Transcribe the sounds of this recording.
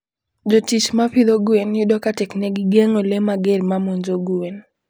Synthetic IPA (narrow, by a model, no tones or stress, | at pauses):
d͡ʒotit͡ʃmapid̪oɡuenjʊdɔkatɛkneɡɪɡeŋolemaɡeɾmamuɲd͡ʒoɡuen